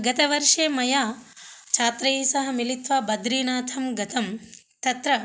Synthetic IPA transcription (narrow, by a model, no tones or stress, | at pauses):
ɡɐt̪ɐʋɐɾʂeːmɐjaːt͡ʃʰaːt̪ɾɐiːsɐɦɐ̆milit̪ʋɐbɐd̪ɾiːnaːt̪ʰɐmɡɐt̪ʰɐm | t̪ɐt̪ɾɐ